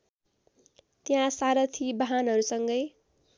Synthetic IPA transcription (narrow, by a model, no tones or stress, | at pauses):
t̪jãsaɾʌt̪ʰibaɦanɦʌɾusʌŋɡʌj